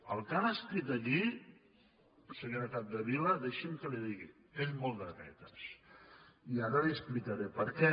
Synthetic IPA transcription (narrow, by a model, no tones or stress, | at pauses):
əlˠkanəskɾit̪əʎi | səɲoɾəkap̚d̪əβiləðeʃemkəliðiɣi | eʎmolˠd̪ətɛ̰t̪əs | iaɾəliəsplik̪əɾepəɾkɛ